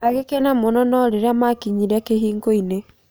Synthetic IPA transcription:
aɣekɛnamonɔnɔɾeɾeamakiɲiɾakeɦiːŋɡoine

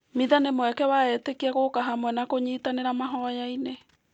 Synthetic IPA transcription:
miðanemwɛkɛwaɛtekiɛɣokaɦamwɛnakoɲiːtaneɾamaɦɔjaine

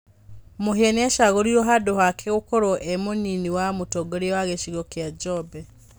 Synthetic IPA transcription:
moɦieneʃaɣoɾioɦadohakʰeɣokoɾoʔemoniniwamutoɡoɾiwaɣeʃiɣokjad͡ʒobe

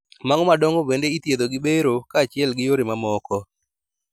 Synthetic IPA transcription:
maŋɔmadɔŋɡobendeit̪jed̪oɡɪbeɾokaːt͡ʃɪɛlɡɪjoɾɪmamɔkɔ

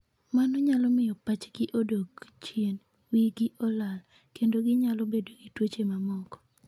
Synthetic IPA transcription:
manɔɲalɔmɪjɔpat͡ʃɡɪʔodoɡt͡ʃjen | wiɡɪʔɔlal | kendoɡɪɲalɔbedoɡitwot͡ʃemamɔkɔ̥

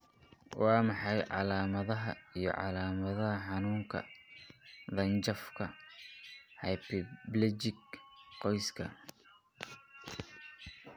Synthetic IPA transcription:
wɑːmɑħɑjʕɑ̰laːmɐðɐɦɐ̰ijɞ̰ʕɑ̰laːmɐðɐɦɐħɑnuːŋkʰɐ̰ | ðɐnt͡ʃɐfkʰɐ | hɑjpɪblɛt͡ʃɪɡqɔjskʰɐ

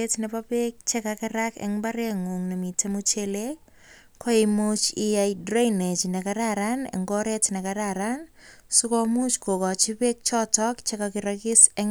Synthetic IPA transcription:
etnɛpapek̚t͡ʃɛkakɪɾakɛ̰ŋbaɾɛŋuŋnemitemut͡ʃele | kʰɔimut͡ʃɪjajdɾajnet͡ʃnɛkaɾaɾanɛ̰ŋɡɔɾetnɛkaɾaɾan | sukɔmut͡ʃkokɔt͡ʃipek̚t͡ʃɔtɔkt͡ʃɛkakɪɾakɪsɛŋ

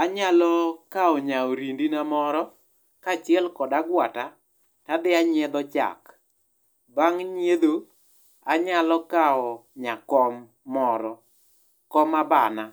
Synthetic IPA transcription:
aɲalɔkaɔɲaoɾindinamɔɾɔ | kat͡ʃɪɛlkɔdaɡwata | tad̪ɪaɲɛd̪ɔt͡ʃa̰k | baŋɲed̪o | aɲalɔkaɔɲakɔmː | ɔɾɔ | kɔmabana

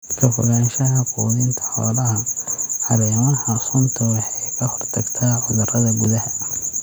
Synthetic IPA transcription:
kʰɐfɔ̰ɣaːnʃɐɦɐkʰṵːðɪnt̪ʰɐ̥ħɔ̰ːlɐɦɐħɑɾɛmɐhɐsʊnt̪ʰɐwɑħɛjkʰɐhɔrt̪ʰɐɡt̪ʰaːʕʊðɐrɐðɐɡʊðɐɦɐ

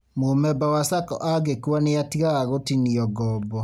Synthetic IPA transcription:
momɛbawasakɔ̰ʔaɡekwaneatiɣaɣaɣotiniɔɡɔbɔ

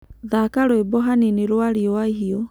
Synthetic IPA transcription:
ðakaɾɔebɔɦanineɾwaɾiɔaiɦiɔ

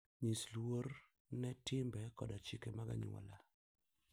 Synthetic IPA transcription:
ɲislwor | nɛtɪmbɛkɔdat͡ʃikemaɡa̰ɲ̰ɔ̰la

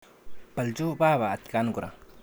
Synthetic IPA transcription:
pɐld͡ʒubaːβaːt̪̚kanɡuɾʔa̰

